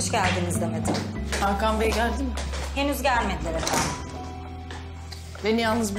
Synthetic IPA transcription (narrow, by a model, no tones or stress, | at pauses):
ʃcælʲd̪inizd̪amed̪ɯaɾkambejɛɟælʲd̪imhe̞nyzɟælmed̪lʲeɾɛfʰam | benijalˠnɯzbi